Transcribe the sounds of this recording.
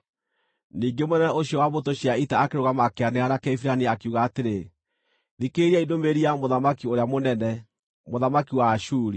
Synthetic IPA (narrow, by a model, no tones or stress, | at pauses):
niːŋɡemonɛnɛoɕiɔwaβotoɕiaitaːkeɾoɣamakeaneaɾakɛifiɾaniakuɣaːteɾe | ðikeɾiɛidomeɾiamoðamakioɾeamonɛnɛ | moðamakiwaːʃuːɾi